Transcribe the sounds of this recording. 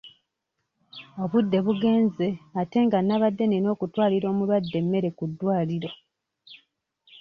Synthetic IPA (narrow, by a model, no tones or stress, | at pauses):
o̞βudːe̞βuɡe̞ːnze̞ate̞ŋɡanːaβadːe̞neno̞ːkutwaːliɾo̞ːmulwadːe̞mːe̞ɾe̞kudːwaːliɾo